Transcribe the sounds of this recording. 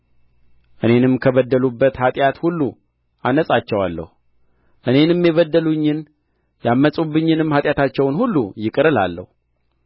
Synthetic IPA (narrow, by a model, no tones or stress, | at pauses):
ʔɨne̞nɨmkʰəβəd̪ːəlubːət̪hat̪ʼjat̪hulːu | ʔanəsʼat͡ʃːɛwalːə̰hu | ʔɨne̞nɨmːjeβəd̪ːəluɲːɪn | jamːəsʼubːɨɲːɨnɨmhat̪ʼjat̪ʰat͡ʃːɛwnhulːujɪkʼɨɾɨla̰lːə̰hu